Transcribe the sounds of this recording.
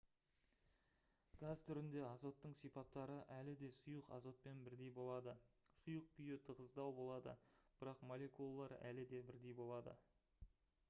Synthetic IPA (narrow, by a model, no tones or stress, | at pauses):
ɡ̥azt̪ʰʏɾɪnd̪e̞ɑzo̞t̪ːəɴsijpɑt̚t̪ːɑɾəʔælɪd̪e̞sʊjəqɑ̰zo̞t̪̚pe̞nbɪɾd̪e̞jbo̞lˠɑd̪ə | sʊjəq̚pʰijɪt̪ʰəʁəzd̪ɑwbo̞lˠɑd̪ə̰b̥ɪɾɑqmole̞kulˠːɑɾæ̰lɪd̪e̞bɪɾd̪e̞jbo̞lˠɑd̪ə̰